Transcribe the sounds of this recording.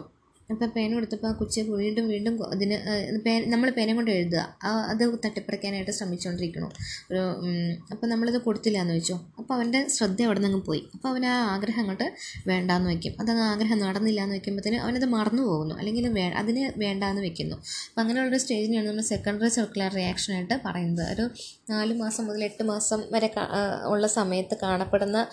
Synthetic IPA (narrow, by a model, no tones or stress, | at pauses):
ɐpːoːpe̞ːnkeɽut̪ːɐpːokut͡ɕːipuʋiːɳɖumʋiːɳɖumɐ̰ðinɨpeːnnɐmːɐɭpeːneŋkːoɳɖeɻut̪̬ːɐða̰ɐɐðɨt̪ɐʈːipːɐɽɐkʲːaːnaːjiʈːɨɕrɐmit͡ɕːukoɳɖiɾikʲːuɳo̰oɾuɐpːoːnɐmːɐɭeðɨko̞ɽut̪ːilːaːnːɨʋet͡ɕːoːɐpːoːɐʋɐnde̞ɕrɐd̪ːɐɐʋiɽɐnːɐŋːɨmpo̞̰ːjḭɐpːoːɐʋɐnaːaːɡɾɐɦɐŋːɐɭʈːɨʋe̞ːɳɖaːnːɨʋekʲːṵmɐðɐŋːɨaːɡɾɐɦɐmnːɨɐɽɐnːilːaːnːɨʋekʲːumboðinɨʔɐ̰ʋɐneðɨmɐrɐnːupo̞ːɣunːṵʔɐ̰lːe̞ŋɡilumʋeːʔɐ̰ðinɨʋe̞ːɳɖaːɐnːɨʋekʲːunːṵɐpːoːɐŋːɐneuɭːoɾusʈe̞ːd͡ʑiniaːɳɨnɐmːɐɭse̞kːɐɳɖɐrisɐrkːulaːrrijaːkʂɐnaːjiʈːɨpɐrɐjunːɐðɨ̰o̰ɾu | naːlumaːsɐmːoðile̞ʈːɨmaːsɐmʋɐɾe̞ka̰ṵɭːɐsɐmɐjɐt̪ːɨkaːɳɐpːe̞ɽunːɐ